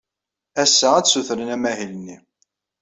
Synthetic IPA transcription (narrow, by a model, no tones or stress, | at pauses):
æsːææt͡sːsuθɾənæmæhilənːi